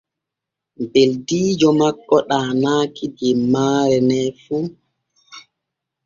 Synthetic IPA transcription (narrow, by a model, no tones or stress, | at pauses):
beldiːd͡ʒɔmakːɔɗaːnaːkid͡ʒɛmːaːɾɛnɛfu